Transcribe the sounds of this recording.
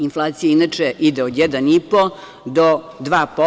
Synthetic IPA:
inflˠaːt̪sijeinat͡ʃeʔid̪eod̪jɛd̪anipo | d̪o | d̪ʋaːpo

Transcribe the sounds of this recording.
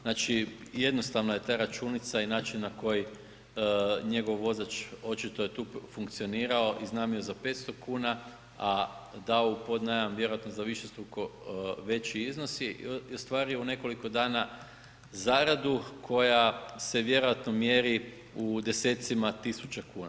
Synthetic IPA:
nat͡ʃije̞d̪no̞st̪aʋnaje̞t̪aːɾat͡ʃuːnit̪sainaːt͡ʃinːako̞ji | ɲe̞ɡo̞ʋʋo̞zat͡ʃo̞t͡ʃit̪o̞je̞t̪uːfuŋkt̪sio̞niːɾao̞ʔiznaːmiozape̞ːt̪st̪o̞kuːna | ad̪aoupo̞d̪najamʋje̞ɾo̞jat̪nozaʋiʃe̞st̪ɾukoʋe̞t͡ɕiizno̞siost̪ʋaːɾioune̞ko̞liko̞d̪aːna | zaɾad̪ukʰo̞jase̞ʋje̞ɾojat̪nomje̞ɾi | ud̪e̞se̞ːt̪simat̪isut͡ʃakuːna

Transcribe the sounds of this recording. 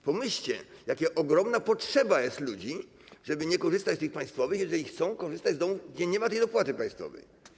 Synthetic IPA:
pɔmɘɕt͡ɕɛ̰jakʲɛʔɔɡɾɔmnapɔtʂɛbajɛst̪lud͡ʑi | ʐɛbɘɲɛkɔʐɘst̪at͡ɕst̪ɘxpãj̃st̪fɔvɘxjɛʐɛlʲixt̪sɔ̃w̃kɔʐɘst̪ad͡ʑzd̪ɔmuvɡd͡ʑɛɲɛmat̪ɛjd̪ɔpwat̪ɘpãj̃st̪fɔ̰vɛ̰j

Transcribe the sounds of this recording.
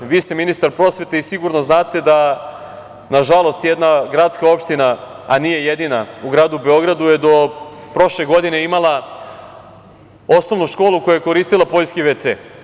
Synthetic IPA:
ʋiːst̪eminist̪aɾpɾo̞sʋe̞t̪eisiɡuɾnoznaːt̪e̞d̪a | naʒalo̞st̪jed̪naɡɾat̪skao̞pʃt̪ina | aniːje̞jed̪inauɡɾaːd̪ube̞o̞ɡɾad̪uje̞d̪o̞pɾo̞ʃle̞ɡo̞d̪ine̞imalˠa | o̞sno̞ʋnuʃko̞ːlˠuko̞jujeko̞ɾiːst̪ilˠapo̞ʎskiʋet̪sḛː

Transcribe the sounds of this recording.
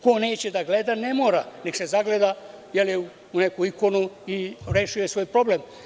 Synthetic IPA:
kone̞ːt͡ɕed̪aɡled̪ane̞moːɾanekse̞zaɡled̪a | jeluː | nekuiko̞nuiɾeʃujesʋo̞jpɾo̞blem

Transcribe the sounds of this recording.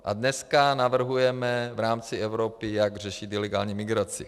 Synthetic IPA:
ʔa̰dnɛskanavr̩ɦujɛmɛvɾaːmt͡sɪɛvɾopɪjaɡr̝ɛʃit̪ɪlɛɡa̰ːlɲimɪɡɾat͡sɪ̰

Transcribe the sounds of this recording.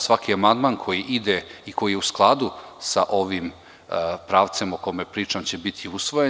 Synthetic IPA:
sʋakiamand̪mankʰo̞jiʔid̪eiko̞jijeusklˠad̪usaʔo̞ʋim | pɾaːʋt̪se̞moko̞mepɾiːt͡ʂamt͡ɕe̞bit̪ʰiusʋo̞je

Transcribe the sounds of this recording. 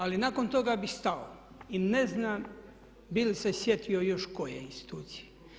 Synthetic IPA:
alinaːko̞nt̪o̞ɡabixst̪ao̰ | ineznaːm | bilisesjet̪io̞jo̞ʃkojeinst̪i̥t̪uːt̪sije

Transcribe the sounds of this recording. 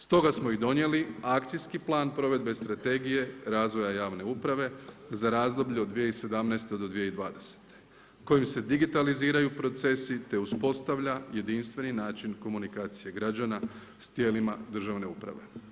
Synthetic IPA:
st̪o̞ɡasmoid̪o̞nje̞liakt̪sijskiplˠaːnpɾo̞ʋe̞d̪be̞st̪ɾat̪e̞ɡije̞ɾaːzʋo̞jajaːʋne̞upɾaʋe̞zaɾaːzd̪o̞bʎuod̪d̪ʋijeise̞d̪amnɛːst̪ed̪o̞d̪ʋijeid̪ʋaːd̪e̞se̥t̪e̥ | ko̞jimse̞d̪iɡit̪aliziːɾajupɾo̞t̪se̞sit̪e̞uspo̞st̪aʋʎaje̞d̪inst̪ʋe̞ninaːt͡ʃinko̞munikaːt̪sije̞ɡɾad͡ʑana | st̪je̞ːlimad̪r̩ʒaʋne̞upɾa̰ʋe̞̰

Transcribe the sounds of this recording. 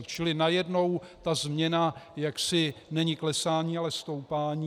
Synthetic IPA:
t͡ʃɪlɪnajɛdno̞wt̪azmɲɛnajaksɪnɛɲɪklɛsaːɲiːalɛst̪owpaːɲi

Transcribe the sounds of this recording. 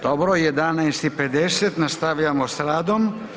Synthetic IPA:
d̪̥obɾojed̪anajst̪iped̪eset̪nast̪aʋʎamosɾaːd̪om

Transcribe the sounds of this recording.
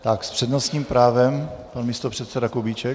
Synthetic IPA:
t̪akspr̝̥ɛd̪nosɲiːmpɾaːvɛmpanmist̪opr̥ɛt̪sɛdakobit͡ʃɛ

